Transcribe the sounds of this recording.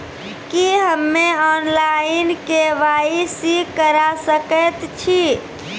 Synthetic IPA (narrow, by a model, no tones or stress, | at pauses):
kiɦəmːeɔnlainkeʋaisikəɾasəkət̪t͡ʃʰi